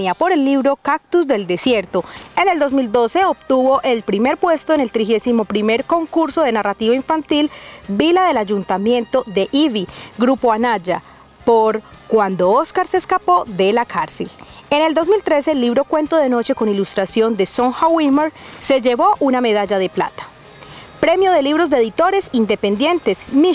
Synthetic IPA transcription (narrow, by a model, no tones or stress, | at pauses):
japo̞ɾe̞lːiβɾo̞kak̚t̪uzd̪e̞ld̪esje̞ɾt̪o̞e̞ne̞ld̪o̞zmild̪o̞se̞obt̪uβo̞ʔe̞lpɾime̞ɾpwe̞st̪o̞enelt̪ɾixe̞simo̞pɾime̞ɾko̞ŋkuɾso̞ðe̞narat̪iβaiɱfant̪ilbilaðe̞lad͡ʒunt̪amje̞nt̪o̞ðe̞ʔiβiɡɾupo̞anad͡ʒa | poɾ | kwand̪o̞oskaɾseskapo̞ðe̞lakʰaɾsel | e̞ne̞ld̪o̞zmilt̪ɾe̞se̞ːlːiβɾo̞kwe̞nt̪o̞ðeno̞t͡ʃe̞ko̞nilust̪ɾasjo̞nd̪e̞so̞ŋxawimeɾse̞d͡ʒe̞βo̞ʔuname̞ð̞ad͡ʒaðe̞pla̰t̪ḁ | pɾe̞mjo̞ðe̞liβɾo̞zd̪eeðit̪o̞ɾe̞sind̪e̞pe̞nd̪je̞nt̪e̞smi